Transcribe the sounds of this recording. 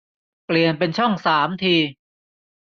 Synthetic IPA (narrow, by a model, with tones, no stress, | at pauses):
pli˨˩ənpe˧nt͡ɕʰɔ˥˩ŋsaː˩˦mt̪ʰiː˧